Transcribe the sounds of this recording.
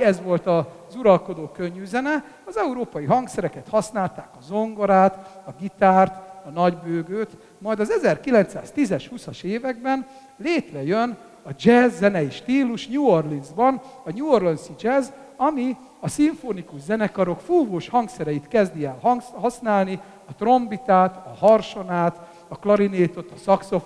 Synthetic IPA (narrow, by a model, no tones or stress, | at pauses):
ɛzʋo̞lt̪ɒ | zuɾɒlko̞d̪oːkøɲːyzɛnɛ | ɒzɛuɾoːpɒjiɦɒŋksɛɾɛkɛt̪hɒsnaːlt̪aːkɒzo̞ŋɡoɾaːt̪ɒɡit̪aːrt̪ɒnɒɟbøːɡøːt̪ | mɒjd̪ɒzɛzɛrkilɛnt̪sa̰ːst̪izɛʃhusɒʃeːvɛɡ̚bɛn | leːt̪ʋɛjøn | ɒd͡ʒɛzːɛnɛjiʃt̪iːluʃɲuorlinzbɒnɒɲuorlɔnsid͡ʒɛz | ɒmi | ɒsiɱfonikuʒzɛnɛkɒɾo̞kfuːvoːʃhɒŋksɛɾɛjit̪kɛzd̪iɛlɦhɒsnaːlni | ɒt̪ro̞mbit̪aːt̪ɒhɒrʃo̞naːt̪ | ɒklɒɾineːt̪o̞t̪ɒsɒkso̞f